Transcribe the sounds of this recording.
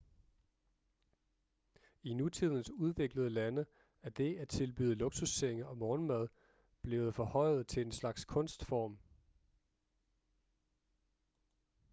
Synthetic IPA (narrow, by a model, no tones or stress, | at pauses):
inut͡sʰið̞̰ˠn̩suð̞ˠʋe̝ɡ̥ləð̞ˠəlænə | æɐd̥e̝æt͡sʰe̝lb̥y̰ːð̞̩ˠloɡ̥susːeŋəɒ̽mɒːnmæð̞ˠ | b̥le̝ːʊð̩ˠfɒ̽hɒ̽ɪ̰ð̩ˠt͡sʰe̝lenslɑ̈ɡ̥skʰɔ̽nsd̥fɒːm